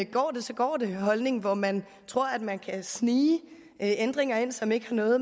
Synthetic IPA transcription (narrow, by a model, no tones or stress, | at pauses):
ɡ̥ɒ̰ːd̥esɒ̽ɡ̥ɒ̰ːd̥e̝ɦɒ̽lne̝ŋʋɒmæn | t͡sʰʁo̝ɐ̰æd̥mænkʰæsniː | end̥ʁeŋɐe̝n̰sɒ̽me̝ɡ̥hɑ̈nɔ̽ːð̩ˠ